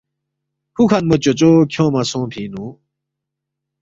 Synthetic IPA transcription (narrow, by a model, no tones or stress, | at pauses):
hʰukʰanmot͡ɕot͡ɕokʰjõːmasõːpʰĩːnũ